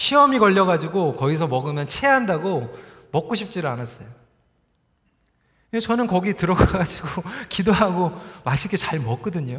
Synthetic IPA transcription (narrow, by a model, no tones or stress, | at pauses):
ɕʰiʌmikʌʎːʌɣad͡ʑiɡokʌɡis̬ʰʌmʌɡɯmjʌnt͡ɕʰeɦandaɡo | mʌk͈̚oɕʰip̚t͡ɕ͈iɾɯɭanas͈ʌjo | et͡ɕʌnɯnkʌɡitɯɾʌɡaɡad͡ʑiɡokidoɦaɡomaɕʰik͈et͡ɕaɭmʌk͈ʌdɯɲo